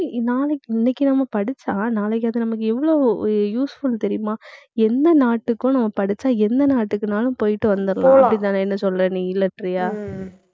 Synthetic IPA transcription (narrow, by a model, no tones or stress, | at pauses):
naːlɛkːɪnːɛkːɯnɐmːɐpɐɽɪt͡ʃːaːnaːlɐk̬ːɐːðɯnɐmːɐk̬ːɯɛʋːɐɭoːjuːsfʊlt̪ɛɾɪjʊmaː | ɛnd̪ɐnaːʈːɯkːʊ̃nɐmːɐpɐɽɪt͡ʃːaːɛnd̪ɐnaːʈːɯkːɯnaːlʊ̃poːjɪʈːɯʋɐnd̪ɯɾɐlãːɐɐpːɐɽɪt̪ːãːnɐɛnːɐsɔlɾɐniːɪlːɐʈːɾɪjaː